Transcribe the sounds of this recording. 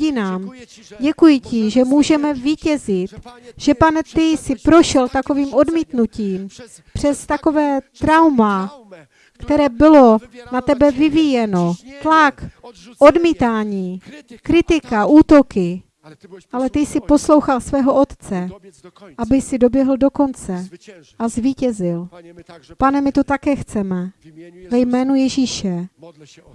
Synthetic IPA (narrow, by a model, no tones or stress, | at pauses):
ɪnaːm | ɟɛkujɪcɪʒɛmuːʒɛmɛviːcɛzɪt̪ʒ̥ɛpanɛt̪ɪsɪpɾo̞ʃɛlt̪ako̞viːmʔo̞dmiːt̪nuciːm | pr̝̥ɛst̪ako̞vɛːt̪ɾawma | kt̪ɛɾɛːbɪlo̞nat̪ɛbɛvɪvijɛno̞t̪lak | ʔo̞dmiːt̪aːɲiːkɾɪt̪ɪkaʔuːt̪o̞kɪ | ʔalɛt̪ɪsɪpo̞slo̞wxalsvɛːɦo̞ʔo̞t̪t͡sɛ | ʔabɪsɪdo̞bjɛɦl̩do̞ko̞nt͡sɛʔazviːcɛzɪl | panɛmɪt̪ot̪akɛːxt͡sɛmɛvɛjmɛːnujɛʒiːʃɛ